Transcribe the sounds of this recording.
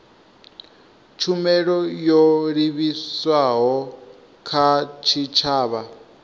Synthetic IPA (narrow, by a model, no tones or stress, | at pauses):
t͡ʃʰumɛɺɔjɔɺiβiswaɦɔ | kʰat͡ʃʰit͡ʃʰaːβa